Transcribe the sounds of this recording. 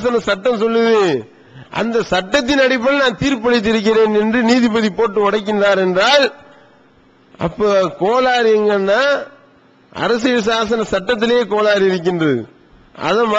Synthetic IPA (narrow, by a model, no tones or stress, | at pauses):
sɐnɐsɐʈːɐ̃msɔlːɐðɯ | ʔɐ̰nd̪ɐsɐʈːɐt̪ːɪnɐɽɪp̬ːɐlnaːnt̪iːɾpɐɻɪt̪ːɪɾɯk̬ːɪɾeːnɛndrɯniːðɪpɐðipoːʈːɯʋɐɽɐkːɪndraːɾɛndraːl | ʔɐ̰pːoːkoːlaːɾɛŋɡɐnːaː | ɐ̰ɾɐs̬ɪɯs̬aːsɐnɐsɐʈːɐt̪̬ːɪljeːkoːlaːɾiɪɾɯk̬ːɪndrɐðɯ̰ | ɐ̰ðɐma